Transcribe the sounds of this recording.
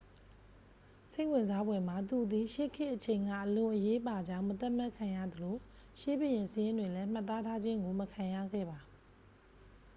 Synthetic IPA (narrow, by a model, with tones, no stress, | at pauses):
se˦ɪʔwɪ̃˨nza˦bwɛ˨m̥a˨t̪u˨d̪i˨ʃe˦˨kʰɪ˦ʔət͡ɕʰẽ˨ɪ̃ŋɡa̰˦˨ʔəlʊ̃˨ʔəje˦ʔəpa˨d͡ʑã˦ʊ̃mət̪a˦ʔm̥a˦ʔkʰã˨ja̰˦˨d̪əlo˨ | ʃe˦bə˨jɪ̃˨nsəjɪ̃˦ndwe˨lɛ˦m̥a˦˨t̪ːa˦tʰa˦d͡ʑɪ̃˦ŋɡo˨məkʰã˨ja̰˦˨ɡɛ̰˦˨ba˨